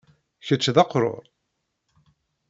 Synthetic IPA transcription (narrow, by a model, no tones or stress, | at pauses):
çət͡sːðɑqɾˤo̰ɾˤ